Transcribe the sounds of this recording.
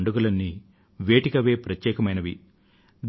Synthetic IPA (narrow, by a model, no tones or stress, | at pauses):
ɳɖuɡulɐnːi | ʋeːʈikɐʋe̞ːpɾɐt̪jɛːkɐmɐjnɐʋi | d̪